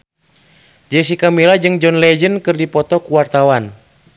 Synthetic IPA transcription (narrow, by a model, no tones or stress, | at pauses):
d͡ʒɛsikamilad͡ʒɨŋd͡ʒɔnlɛd͡ʒənkɨrdipɔt̪ɔkuwart̪awan